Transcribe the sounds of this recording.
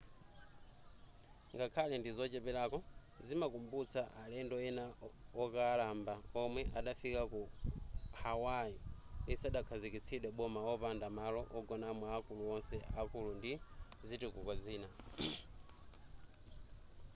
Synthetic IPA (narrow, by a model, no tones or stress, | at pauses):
ŋɡakʰalɛndizɔt͡ʃɛpɛlakɔ | zimakumbut͡sʰaʔalɛndɔɛnaɔkaːlambaɔmwɛʔaɗafikaku | hawaindisaɗakʰazikit͡sʰiɗwɛɓɔmaɔpandamalɔʔɔɡɔnamwaːkuluɔnsɛʔakulundi | zitukukaziːna